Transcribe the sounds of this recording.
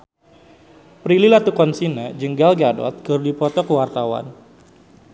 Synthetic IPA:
pɾililat̪ukɔnsinad͡ʒəŋɡalɡadɔ̰t̪̚kərdipɔt̪ɔkəwart̪awa̰n

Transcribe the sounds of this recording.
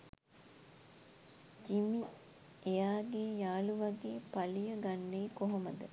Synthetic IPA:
d͡ʒimi | ejaːɡeːjaːluʋɐɡeːpalijəɡanːeːkoɦoməd̪ə

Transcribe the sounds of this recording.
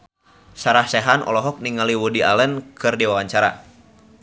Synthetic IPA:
saɾahsɛɦanʔɔ̰lɔɦɔk̚niŋaliwudia̰lənkʰɨrdiwawaɲt͡ʃaɾa̰

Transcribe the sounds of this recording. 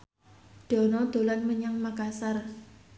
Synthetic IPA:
d̪̥ɔ̤nɔd̪̥o̤lanməɲaŋmakasar

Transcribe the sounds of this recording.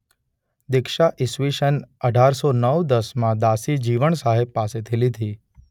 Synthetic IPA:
d̪ɪkʃaʔɪsʋiʃənəɖʱaɾsonəwd̪əsmãd̪asid͡ʒiʋəɳsaɦeb̚paset̪ʰilid̪ʱi

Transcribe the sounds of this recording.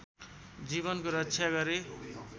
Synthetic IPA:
d͡ziβʌnkoɾʌtːsʰjaɡʌɾe

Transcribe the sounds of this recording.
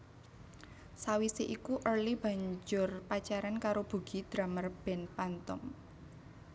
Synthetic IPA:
sawiseʔikuʔərlib̥ä̤ɲd͡ʒʊrpat͡ʃaɾankaɾob̥ṳɡ̥i̤d̪̥ɾa̤mərb̥ɛ̤npant̪ɔ̰m

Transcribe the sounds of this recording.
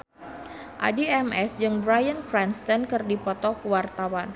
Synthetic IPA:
ʔa̰diɛmɛsd͡ʒɨŋbɾajənkɾɛnst̪ənkɨrdipɔt̪ɔkəwart̪awan

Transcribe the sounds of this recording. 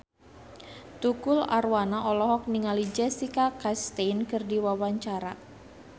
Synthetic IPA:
t̪ukʊla̰rwanaʔɔlɔɦɔk̚niŋalid͡ʒɛsikakast̪ɛnkɨrdiwawaɲt͡ʃaɾa

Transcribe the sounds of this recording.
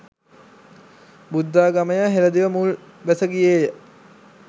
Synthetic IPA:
bud̪ːaːɡaməjaːɦeɾəd̪iʋəmul | ʋæsəɡijeːjə

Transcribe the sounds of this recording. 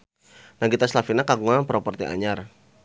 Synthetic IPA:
naɡit̪aslafinakaɡuŋapəɾɔpɔrt̪ḭʔa̰ɲar

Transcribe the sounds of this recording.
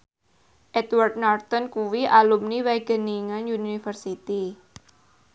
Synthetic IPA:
ʔɛt̪wart̪̚nart̪ɔnkuwiʔalumniwɛɡ̥ə̤niŋanjunifərsit̪i

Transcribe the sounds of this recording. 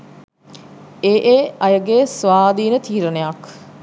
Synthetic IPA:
eːʔeːɐjəɡeːsʋaːd̪iːnət̪iːɾənejak

